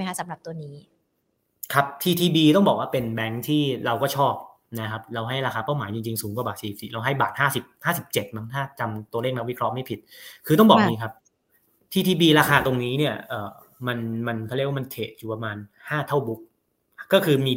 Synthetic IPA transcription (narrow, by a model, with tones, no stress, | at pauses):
jkʰa˥sa˩˦mɾa˨˩p̚t̪u˧niː˦˥ | kʰa˦˥p̚t̪ʰiː˧t̪ʰiː˧biː˧t̪ɔ˥˩ŋbɔː˨˩k̚waː˥˩pe˧nbɛ˦˥ŋt̪ʰiː˥˩ɾa˧wkɔː˥˩t͡ɕʰɔː˥˩p̚ | na˦˥kʰa˦˥p̚ɾa˧wɦa˥˩jɾaː˧xaː˧pa˥˩wmaː˩˦jt͡ɕi˧ŋt͡ɕi˧ŋsuː˩˦ŋkwa˨˩baː˨˩siː˧i˨˩si˨˩ɾa˧wɦa˥˩jbaː˨˩t̪̚haː˥˩si˨˩p̚haː˥˩si˨˩p̚t͡ɕe˨˩t̪̚ma˦˥ŋt̪ʰaː˥˩t͡ɕa˧mt̪u˧əleː˥˩kna˦˥wi˦˥kʰɾɔ˦˥ma˥˩jpʰi˨˩t̪̚kʰɯː˧t̪ɔ˥˩bɔː˨˩k̚niː˦˥kʰa˦˥p̚ | t̪ʰiː˧t̪ʰiː˧biː˧ɾaː˧xʰaː˧t̪o˧ŋniː˦˥ni˥˩ɐʔɤː˨˩ | ma˧nma˧npʰa˥˩˦kwa˥˩ma˧nt̪ʰeː˨˩t̪̚juː˨˩pa˧maː˧n | haː˥˩t̪ʰa˥˩wbu˦˥k̚ | kɔː˥˩kʰɯː˧miː˧